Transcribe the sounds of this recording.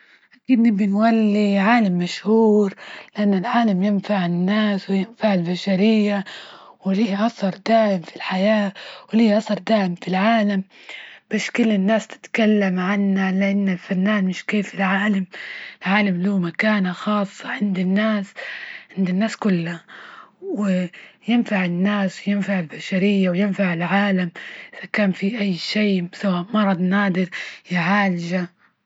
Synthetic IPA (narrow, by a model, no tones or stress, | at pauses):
ʔakiːd̪nɪbɪnwalːiʕaːlamːaʃhuːɾlɪʔanːɪlʕaːlamjɪnfaʕɪnːaːswɪjɪnfaʕɪlbaʃaɾɪjːa | wɪliːʔasɑɾˤd̪aːʕɪmfilħajaːwɪliːʔɑθɑɾˤd̪aːʕɪmfilʕaːlamb̥aːʃkʊlːɪnːaːst̪ɪ̥t̪kalːamʕanːalɪʔanːɪlfanːaːnmɪʃkeːfɪlʕaːlamɪlʕaːlamluːmakaːnaxɑːsˤːɑʕɪnd̪ɪnːaːsʕɪnd̪ɪnːaːskʊlːa | wɪjɪnfaʕɪnːaːswɪjɪnfaʕɪlbaʃaɾɪjːawjɪnfaʕɪlʕaːlamʔɪð̥akaːnfiʔajːʃeːsawaːʔmɑɾˤɑd̪ˤnaːd̪ɪɾjaʕaːlʒa